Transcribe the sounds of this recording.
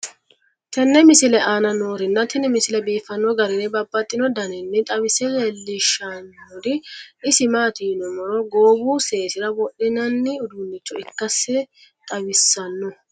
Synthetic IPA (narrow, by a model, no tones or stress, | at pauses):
t̪ɐnːɛmɪsɪlɛʔaːnɐnoːɾɪnːɐt̪ɪnɪmɪsɪlɛbiːfɐnːɔɡɐɾɪnɛbɐbːɐt̪ʼːɪnɔd̪ɐnɛnːɪt̪ʼɐwɪsɛzɛlːɪʃɐnodɪɪsɪmaːt̪iːnɔmɔɾɔɡo̞ːbuːseːsɪɾɐbɔɗːɪnɐnːɪʊd̪unːɪt͡ʃːɔɪkːɐsːɪ | t̪ʼɐwɪsːɐnːʊ